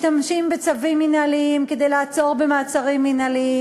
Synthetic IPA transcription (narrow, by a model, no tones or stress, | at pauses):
tamʃimbet͡savimːinaliimke̞d̪ejlaat͡so̞ʁbemaːt͡saʁimːinalii